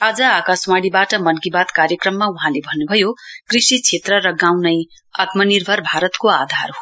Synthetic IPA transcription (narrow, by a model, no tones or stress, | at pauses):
ad͡zʌakaswaɽibaʈʌmʌnɡibat̪kaɾjʌkrʌmːauɦãlebʱʌnːubʱʌjokrisit͡sʰet̪rʌɾʌɡãwnʌj | at̪mʌnirbʱʌrbʱaɾʌt̪koad̪ʱarɦo